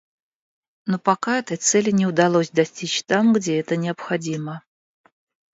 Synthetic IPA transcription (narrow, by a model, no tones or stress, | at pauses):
nopɐkaɛt̪əjt̪sɛlʲɪnʲɪʊd̪ɐlˠosʲd̪ɐsʲtʲit͡ɕt̪amɡdʲeɛt̪ənʲɪɐpxɐdʲimə